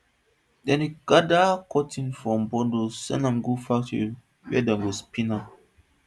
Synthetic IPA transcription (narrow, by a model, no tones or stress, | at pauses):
dɛ̃nhiɡ̥adakʰɔtʰĩnfɹɔ̃mbɔdosɛ̰̃nãmɡofaktḭ | wɛ̰dãɡɔspĩnap̚